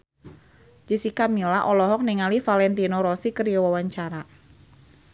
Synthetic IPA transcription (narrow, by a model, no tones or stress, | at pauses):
d͡ʒisikamilaʔɔlɔɦɔk̚niŋalifalɛnt̪inoɾɔsikəɾiɔwawaɲt͡ʃaɾa